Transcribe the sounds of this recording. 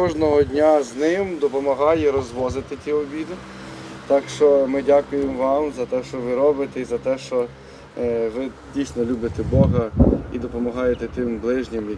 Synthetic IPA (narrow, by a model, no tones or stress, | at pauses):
ɔʒnɔɦɔdʲnʲaznɪmd̪ɔpɔmɐɦɑjɛɾɔzʋɔzɪt̪ɪtʲiɔbʲid̪ɪ | t̪ɑkʃt͡ʃɔmɪdʲakʊjemʋɑmzɐt̪ɛʃt͡ʃɔʋɪɾɔbɪt̪ɛizɐt̪ɛʃt͡ʃɔ | ʋɪ | dʲijsʲnɔlʲubɪt̪ɛbɔɦɐid̪ɔpɔmɐɦɑjet̪ɛt̪ɪmblˠɪʒnʲɪmj